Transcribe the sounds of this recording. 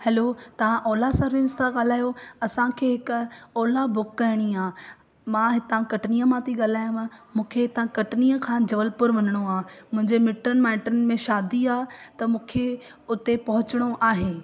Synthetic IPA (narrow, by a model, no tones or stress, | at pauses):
hɛlot̪ɐʋ̤ãʔɔːlasãɾinɪst̪ʰaɠaːl̤aːjoɐsãkʰeːɦɪkɔːlabʊkːɐɾɪɽ̃iaː | mãɦɪt̪ãkɐʈniːəmãt̪ʰiɠaːl̤aːjũamũːkʰeɦɪt̪ãkɐʈniːəkʰãːd͡ʑɐʋəlpʊɾʋɐnəɽ̃oaːmʊ̃ɦɪ̃ɲd͡ʑemɪʈənmãːɪ̃ɳʈənmẽʃaːd̪iaːɦt̪ɐmũːkʰe | ʊt̪epɐɦʊt͡ɕɪɽ̃oʔaːɦeː